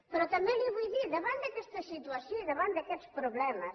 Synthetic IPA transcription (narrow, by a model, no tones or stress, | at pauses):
pɾɔt̪ɐmɛ̃ŋliβujðiðɐβãnd̪ɐkɛst̪ɐsit̪uɐsjõðeβãnd̪ɐkɛt̪spɾoβlɛmɐs